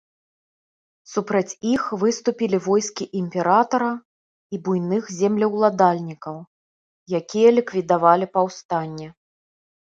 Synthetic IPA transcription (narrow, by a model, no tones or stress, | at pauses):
supɾɐt͡sʲixvɨst̪upʲilʲivɔjskʲiʔimʲpʲɛɾat̪ɐɾɐ | ibujnɨxzʲɛmlʲɐwlˠad̪alʲnʲikɐw | jakʲijɐlʲikvʲid̪avalʲipɐwst̪anʲːɛ